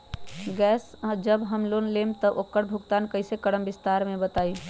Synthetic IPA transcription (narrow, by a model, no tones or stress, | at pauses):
ɡɛːsd͡ʒəbɦəmloːnleːmt̪əʔokːəɽbʱʊɡt̪aːnkəɪsekəɽəmbɪst̪aːɾmẽbət̪aːi